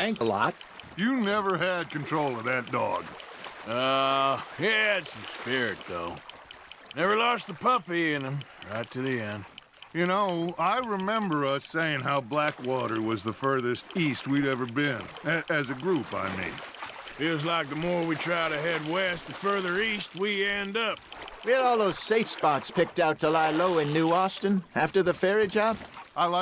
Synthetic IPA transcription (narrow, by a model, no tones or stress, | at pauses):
æ̃ŋkəlɑ̰t̚jɨnɛvə˞ɨd̚kɨ̃n̩tʰɹ̥oʊlˠʌvðɨt̚d̥ɔ̰ɡ̥o | hitsn̩spɪɹɪt̪̚ðoʊ | nɛvə˞lɔst̪ðəpʰʌpiɪ̃nɨ̃mɹaɪtʰɨðiɛ̃nd̥ | jɨnoʊaɪɹɨmɛ̃mbə˞ʌseɪɪ̃ŋɦaʊblækwɔɾə˞wʌzðəfɜ˞ðɨstist̚wiɾɛvə˞bɪ̃nɨʔɨzɨɡɹupa̰ɪmḭ̃nɪt̚wʌzlaɪk̚ðəmɔɹwitʰɹ̥aɪɾɨɦɛd̚wɛst̪̚ɨfɜ˞ðə˞ist̚wiɛ̃ndʌp̚wiɨɾɔlˠðoʊz̥seɪfspɑkspɪk̚taʊtʰəlaɪloʊɨ̃nːʉɔstɨ̃næftə˞ðɨfɛɹid͡ʒɑb̥ʔaɪla